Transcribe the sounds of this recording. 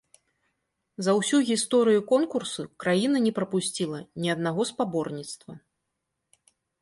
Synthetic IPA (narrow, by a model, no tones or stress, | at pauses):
zɐwsʲuɣʲist̪ɔɾɨjukɔnkursukɾajinɐnʲɛpɾɐpusʲt͡sʲilˠɐnʲiɐd̪naɣɔspabɔrnʲit̪st̪vɐ